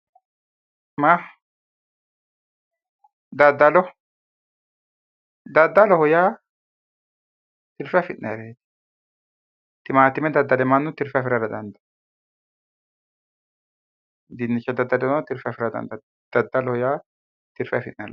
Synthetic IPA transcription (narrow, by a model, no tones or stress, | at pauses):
ma | d̪ɐd̪ːɐlɔ | d̪ɐd̪ːɐlɔhɔjaː | t̪ɪɾfɛfɪt̪nɐɾeːt̪ | t̪ɪmaːt̪ɪmɛd̪ɐd̪ːɐlɛmɐnːʊt̪ɪɾfɐfɪɾɐɾɐd̪ɐnd̪ɐ̥ | d̪ɪnːɪt͡ʃːɐd̪ɐd̪ːɐlɛnt̪ɪɾfɐfɪɾɐd̪ɐ̰nd̪ɐ | d̪̥ɐd̪ːɐlɔhɔjaː | t̪ɪɾfɐfɪt̪nɐ̰l